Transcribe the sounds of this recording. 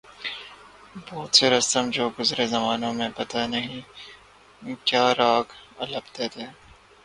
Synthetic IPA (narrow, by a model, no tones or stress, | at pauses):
bɔːt̪seɾɐst̪əmd͡ʒoːɡʊzɾezɐmaːnõmẽpɐt̪anɐɦĩ | kjaːɾaːkɐləbt̪et̪eː